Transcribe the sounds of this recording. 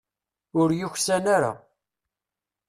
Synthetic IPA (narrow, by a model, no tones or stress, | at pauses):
ʊɾjʊçsænaɾa̰